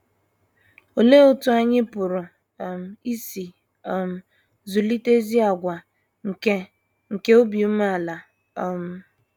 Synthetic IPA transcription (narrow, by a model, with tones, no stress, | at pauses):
o˨le˦ʊ˨tʊ˦a˦ɲɪ˦pʊ˨ɾʊ˨ | m̩˨i˦si˨ | m̩˨ | zu˨li˦te˦zi˦a˨ɡʷa˨ | ŋ̩˨e˦ | ŋ̩˨ke˦o˦bi˨u˦m˦a˨la˨˦ | m̩˦